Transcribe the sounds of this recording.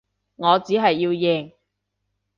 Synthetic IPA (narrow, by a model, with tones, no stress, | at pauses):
ŋɔː˨˧t͡siː˨˥ɦɐ˨jːiː˧wjeː˨˩ŋ